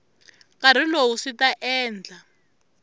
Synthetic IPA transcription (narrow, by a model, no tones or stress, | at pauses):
kaɾ̤ilowusitaʔɛːnd͡ɮʱa